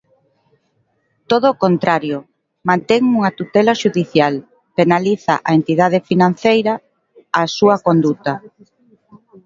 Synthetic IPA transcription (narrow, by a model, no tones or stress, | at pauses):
t̪oð̞oːkont̪ɾaɾjʊ | mãnt̪eŋuŋat̪ut̪ɛlaʃuðiθjal | penaliθa̰ʔaent̪iðað̞efinãn̟θejɾaː | suɐkond̪ut̪a